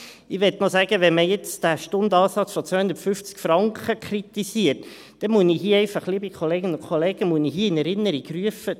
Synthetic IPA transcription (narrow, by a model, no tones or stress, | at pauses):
ɪʋɛtnɔsæɡ̥əʋɛnməjɛt͡sd̥æʃtʊnd̪ɑːsɑt͡sfɔt͡søːhʊnd̪ətfʏft͡skfɾɑŋkχəkʰrit̪isiət | d̥ɛmuəniɦiːɛɪfɑχlibikχoleːɡənʊkʰχoleːɡəmuəniɦiːɪnɛɾɪnːəɾikryəfə